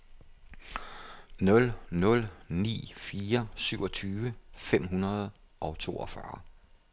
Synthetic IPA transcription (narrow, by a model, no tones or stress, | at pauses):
nɔ̽lnɔ̽lnḭːfiːɐsyʊɒ̽t͡sʰyːʋəfem̰ɦunɐð̞ˠ | ʔɒ̽t͡sʰo̝̰ːɒ̽fɶ̰ɐ